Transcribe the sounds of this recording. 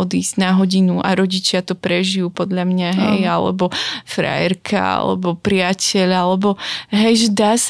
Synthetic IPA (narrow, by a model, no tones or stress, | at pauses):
ɔd̪iːz̥ɟnaɦɔɟinuʔaɾɔɟit͡ʃɪat̪ɔpɾɛʒijuːpɔd̪ʎamɲaɦɛjalɛ̰bɔfɾa̰jɛɾkʰa̰a̰lɛ̰bɔpɾɪacʰɛʎalɛbɔɦɛjʒɛd̪aːs